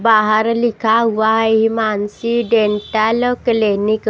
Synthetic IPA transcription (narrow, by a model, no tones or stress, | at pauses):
baɦaɾlikʰaɦuʋaɦjɦimansiɖeɳʈalklenik